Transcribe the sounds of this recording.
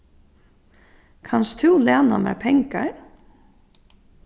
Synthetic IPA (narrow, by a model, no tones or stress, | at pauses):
kʰanst̪ʰʉːlaːnamæ̰ɹpʰɛŋkaɹ